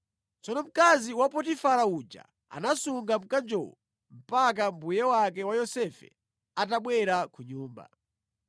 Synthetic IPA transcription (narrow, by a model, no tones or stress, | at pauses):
t͡sɔnɔm̩kaziwapɔtifaɾaud͡ʒa̰ | a̰nasuŋɡam̩kand͡ʒɔ̰wɔ | m̩pak̬ambujɛwak̬ɛwajɔsɛfɛ̰ | ataɓwɛɾakʰuɲuːmba̰